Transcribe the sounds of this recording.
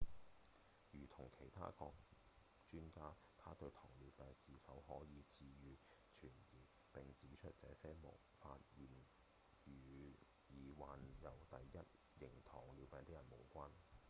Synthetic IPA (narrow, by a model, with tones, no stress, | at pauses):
jyː˨˩t̪ʰʊ˨˩ŋkʰe˨˩jt̪ʰa̰ː˥kɔː˧k̚ | t͡ʃyː˥nkaː˥ | t̪ʰaː˥t̪ɵ˧ɥt̪ʰɔː˨˩ŋlyː˨˧wpɛː˨˧nsiː˨˧fɐ˨˥wɦɔː˨˥jiː˨˧t͡siː˧jyː˨˧t͡ʃʰyː˨˩njiː˨ | pɪ˨ŋt͡siː˨˥t͡ʃʰɵ˥t̚t͡sɛ̰ː˨˥sɛː˥mʊ̰˨˩wfaː˧t̚jiː˨˩n | yː˨ | jiː˨waː˨njɐ˨˩wt̪ɐ˨jjɐ˥t̚ | jɪ˨˩ŋt̪ʰɔː˨˩ŋlyː˨˧wpɛː˨˧ŋt̪ɪ˥kjɐ˨˩nmo˨˩wkʷaː˥n